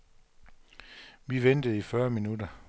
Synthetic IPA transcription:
ʋiʋend̥əð̩ˠifɶɐminud̥ɐ

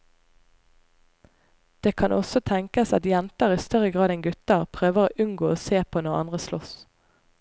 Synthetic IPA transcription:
d̪̥eːkʰɑnʔɔsɔt̪ʰɛŋkəsɑ̰t̪jɛnt̪əʁiːst̪œʁəɡʁɑːd̪ɛnɡʉt̪əʁpʰʁøːʋəʁo̰ːʔʉŋɡoːoːseːpʰoːnɔʁɑ̰nd̪ʁəslɔ̰s

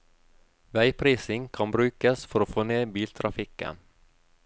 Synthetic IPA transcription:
væjpʰɾiːsɪŋkʰanbɾʉ̟ːkasfœɾɔfoːneːbiːlt̪ʰɾafiːkə̰n

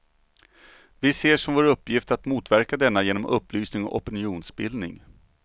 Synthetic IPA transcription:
vɪseːʂɔmvoːɾɵpːjɪft̪at̪muːt̪væɾkad̪ɛnːajeːnɔmʔɵpːlyːsnɪŋɔ̰ʔɔpɛnɪuːnsbɪld̪nɪ̰ŋ

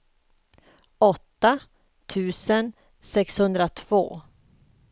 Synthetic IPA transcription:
ɔt̪ːa | t̪ʰʉ̟ːsən | sɛkshɵnd̪ɾat̪ʰv̥o̰ː

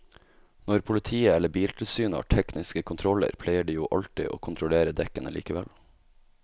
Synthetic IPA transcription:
nɔɾpʰʊlɪt̪ʰiːəɛləbiːlt̪ʰɪlsyːnəhɑ̰ʈʰɛknɪskəkʰʊnt̪ʰɾɔlə̰ɾpʰlæɪəɖiːjuːʔɑlʈɪ̰ʔo̰ːkʰʊnt̪ʰɾʊleːɾəd̪ɛkənə̰liːkəʋɛl

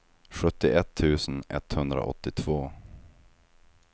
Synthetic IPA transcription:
ɧɵt̪ːɪʔɛt̪ʰːʉ̟ːsənɛt̪hɵnd̪ɾa̰ʔɔ̰t̪ːɪt̪ʰvoː

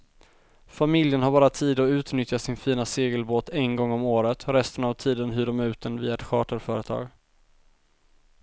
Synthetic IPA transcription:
famɪljənɦaɾbɑːɾat̪ʰiːd̪ɔʉ̟ːt̪nʏt̪jasɪnfiːnaseːɡəlboːt̪ɛnɡɔŋːɔmoːɾət̪ʰɾɛst̪ənavt̪ʰiːd̪ənɦʉːɖɔmæʉ̟ːt̪ənviːaɛt̪ɧɑːʈəɾfœːɾət̪ʰɑ̰ːɡ

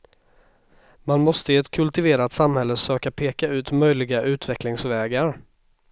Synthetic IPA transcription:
manmɔst̪əɪɛt̪kʰɵlt̪ɪveːɾat̪samhɛlːəsøːkapʰeːkaʉ̟ːt̪mœjlɪɡaʔʉ̟ːt̪vɛklɪŋsvɛːɡaɾ

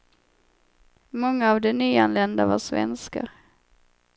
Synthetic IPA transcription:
mɔŋːaːvd̪ɛnyːanlɛnd̪avaʂvɛ̰nska̰

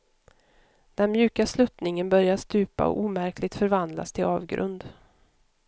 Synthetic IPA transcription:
d̪̥ɛnmjʉ̟ːkaslɵt̪nɪŋənbœɾjast̪ʉ̟ːpa̰ɔ̰ʔuːmæɾklɪɡ̚t̪fœɾvand̪la̰st̪ʰɪlɑːvɡɾɵ̰nd̪

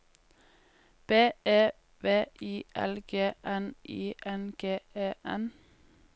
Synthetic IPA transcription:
b̥eːeː | ʋeːʔiːʔɛ̰lɡ̥eːʔɛnʔiːʔɛnɡ̥eːʔeːʔɛn

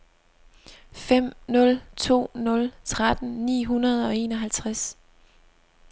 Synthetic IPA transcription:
fem̰nɔ̽lt͡sʰo̝̰ːnɔ̽lt͡sʰʁad̥n̩nḭːɦunɐð̞̩ˠɒ̽e̝ːnɒ̽ɦælt͡sʰʁas

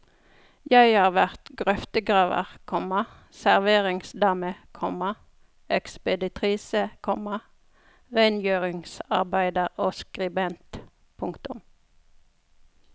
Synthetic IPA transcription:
jæɪhɑːʁʋæʁt̪ɡʁœft̪əɡʁɑːʋə̰ʁkʰɔmɑ | sæʁʋeːʁɪŋsd̪ɑːməkʰɔmɑ | ɛkspəd̪ɪt̪ʰʁiːsəkʰɔmɑ | ʁɛnjøːʁɪŋsɑ̰ʁbæɪd̪əʁoːskʁɪbɛnt̪ | pʰʊŋkt̪ʊm

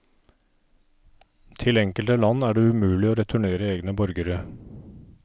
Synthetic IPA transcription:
t̪ʰɪlɛŋkəlt̪əlɑnæːɖeːʉmʉːlɪoːɾɛt̪ʰʊɳeːɾəeːɡnəbɔɾɡəɾə

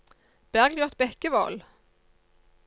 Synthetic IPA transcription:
b̥æʁɡljʉʁt̪̚bɛkəʋɑ̰ːl

